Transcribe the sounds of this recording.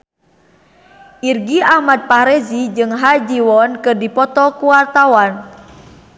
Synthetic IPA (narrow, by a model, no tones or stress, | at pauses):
ʔirɡiahmad̪̚pahɾɛzid͡ʒɨŋɦad͡ʒiwɔnkɨrdipɔt̪ɔkuwart̪awan